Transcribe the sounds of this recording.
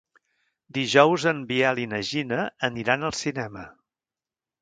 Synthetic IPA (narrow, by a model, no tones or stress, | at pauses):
d̪iʒɔwzəmbiɛlinəʒinəːniɾanəlˠsinɛmə